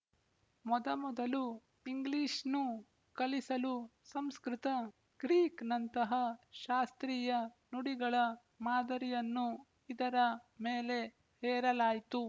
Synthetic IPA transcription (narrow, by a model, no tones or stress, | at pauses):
mɔd̪ɐmɔd̪ɐlu | iŋɡliːʃnu | kɐlisɐlusɐmskɾit̪ɐ | ɡ̥ɾiːknɐnt̪ɐɦɐʃaːst̪ɾiːjɐnuɽiɡɐɭɐ | maːd̪ɐɾijɐnːu | id̪ɐɾɐmeːle̞ | hɛːɾɐlaːjt̪u